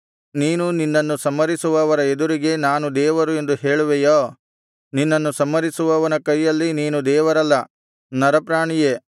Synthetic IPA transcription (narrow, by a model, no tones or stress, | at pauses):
niːnuninːɐnːusɐmːɐɾisuʋɐːʋɐɾɐed̪uɾiɡe̞naːnud̪ɛːʋɐɾue̞nd̪uhe̞ːɭuʋejoː | ninːɐnːusɐmːɐɾisuʋɐːʋɐnɐkɐjːɐlːiniːnud̪ɛːʋɐɾɐlːɐ | nɐɾɐpɾaːɳije